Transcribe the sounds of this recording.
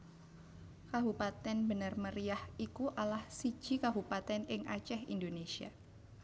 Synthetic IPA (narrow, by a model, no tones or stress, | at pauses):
kabupat̪ɛnbənərməɾiahikuʔalahsi̥d͡ʒ̥ikabupat̪ɛnɪŋat͡ʃɛhḭndonesia̰